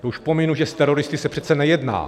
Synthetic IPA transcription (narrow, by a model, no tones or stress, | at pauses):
auʃpomɪnuʒɛst̪ɛɾo̞ɾɪst̪ɪsɛpr̥ɛt̪sɛnɛjɛdna̰ː